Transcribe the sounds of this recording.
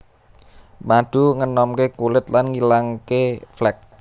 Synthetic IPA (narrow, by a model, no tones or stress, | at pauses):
maɖ̪̥ṳŋənɔmkekulɪt̪lanŋilaŋkeflɛk̚